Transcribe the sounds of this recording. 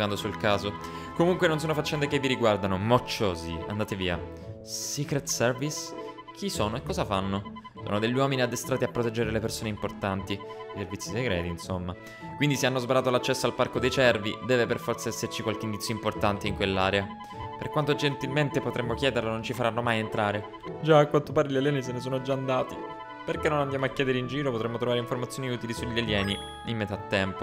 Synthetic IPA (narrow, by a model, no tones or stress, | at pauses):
and̪osulkaːzo | komuŋkwenons̬onofat͡ʃːɛnd̪ekevːiɾiɡward̪anomot͡ʃːoːzia̰nd̪aːt̪eviːa̰ | sikɾet̪sɛrvis | k̟ʰisoːnoekːɔːzafanːo | so̰ːnod̪eʎːwɔːminiad̪ːest̪ɾaːt̪iapːɾot̪ɛd͡ʒːeɾelepersoːneimport̪ant̪iiservit̪siseɡɾɛːt̪insomːa | kwind̪iseanːozbaɾaːt̪olat͡ʃːɛsːoalparkod̪ejt͡ʃɛrvḭd̪ɛːveperfɔrt̪saɛsːert͡ʃikwalkeind̪it̪sːjoimport̪ant̪eiŋkwelːaːɾea | perkwant̪od͡ʒent̪ilment̪epot̪ɾemːokjɛːd̪eɾlonont͡ʃifaɾanːomajent̪ɾaːɾe | d͡ʒaːkwant̪opaːɾiʎalɛːnis̬enes̬oːnod͡ʒaːnd̪aːt̪i | perkenːonand̪jaːmoakːjɛːd̪eɾeind͡ʒiːɾopot̪ɾemːot̪ɾovaɾeiɱformat̪sjoniuːt̪ilisuʎːaljɛːni | imːet̪aːt̪ːɛmpo